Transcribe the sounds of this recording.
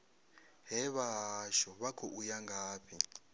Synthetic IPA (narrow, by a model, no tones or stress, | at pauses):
ɦɛβaʃɔβakʰɔʔujaŋɡaːβi